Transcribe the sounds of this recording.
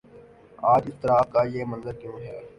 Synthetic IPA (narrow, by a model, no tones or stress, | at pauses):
aːd͡ʒɪst̪əɾaːkaːjeːmɐ̃nzəɾkjõːɦɛː